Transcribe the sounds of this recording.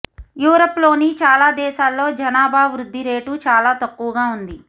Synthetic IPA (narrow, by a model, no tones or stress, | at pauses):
juːɾopːlo̞ːnit͡ʃaːlaːd̪ɛːʃaːlːo̞ːd͡ʒɐnaːbaːʋɾud̪ʱːiɾeːʈut͡ʃaːlaːt̪ɐkːuʋɡaːund̪i